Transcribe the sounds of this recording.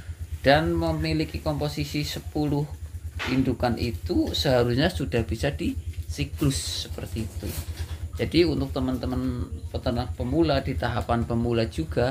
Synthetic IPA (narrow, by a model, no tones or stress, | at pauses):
d̥anməmilikikomposisisəpulʊhindukanʔḭt̪usəɦaɾusɲasudahb̥isadisiklʊsːə̥pərt̪iːt̪ud͡ʒadiunt̪ʊk̚t̪əmənt̪əmənpət̪ənahpəmuladit̪aɦapanpəmulad͡ʒuɡa